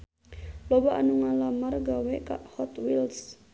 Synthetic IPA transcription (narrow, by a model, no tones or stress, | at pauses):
lɔbaʔanuŋalamarɡawɛka̰ʔhɔt̪wils